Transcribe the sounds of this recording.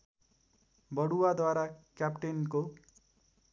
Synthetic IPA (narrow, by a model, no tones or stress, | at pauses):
bʌɽuwad̪waɾakjapʈenko